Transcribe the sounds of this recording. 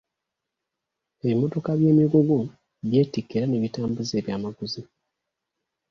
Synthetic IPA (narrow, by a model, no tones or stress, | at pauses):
e̞βimo̞to̞kaβjeːmiɡuɡo | βje̞ːtikːeɾaneβitaːmbuzeːβjaːmaɡuzi